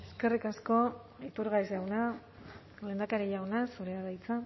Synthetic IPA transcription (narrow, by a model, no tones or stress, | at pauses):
e̞ske̞rikasko̞ | it̪uɾɣaisewna | le̞ːnd̪akaɾeʝawnasuɾeaðajt͡sa